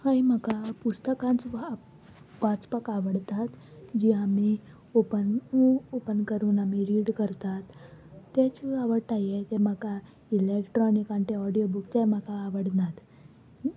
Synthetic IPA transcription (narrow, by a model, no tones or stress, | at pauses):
ɦəim̤əkapust̪əkãnt͡s | ʋat͡spəkaʋəɽt̪at̪d͡ʑiami | opənopənkəɾuːnamiɾiːɽkəɾt̪at̪ːet͡ɕiaʋəɽʈ̪ajjet̪em̤əka | ilekʈɾɔnikãɳʈeɔɽijobukt̪em̤əkaːʋəɽnat̪